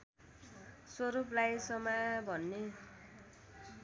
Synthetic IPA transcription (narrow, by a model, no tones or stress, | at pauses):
swʌɾuplajsʌmabʱʌnːe